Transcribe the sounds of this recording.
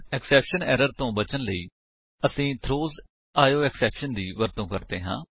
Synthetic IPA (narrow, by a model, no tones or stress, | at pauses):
ɛksɛːpʃənɛ̰ːɾəɾt̪õːbət͡ʃənləiː | əsĩːt̪ʰɾoːz | aːjoːɛːksɛːpʃənd̪iːʋəɾt̪õːkəɾt̪eːɦã̰ː